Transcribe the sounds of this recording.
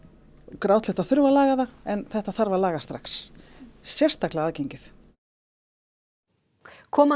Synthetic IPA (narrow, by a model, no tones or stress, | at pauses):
kɾawt̪lɪht̪aðθʏɾvalaːɣaðaɛnθɛht̪aθaɾvalaːɣast̪ɾaxs | sjɛr̥st̪aklɪaaːðcejɲcɪθ | kʰɔːma